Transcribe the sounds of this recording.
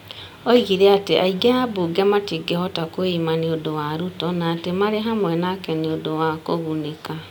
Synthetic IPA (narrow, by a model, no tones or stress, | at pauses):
ɔiɣiɾɛateʔaiɡeabuɡɛmatiɡehɔtakoimaneondowaɾutɔnaːtemaɾeɦamwɛnakɛneondowakoɣuneka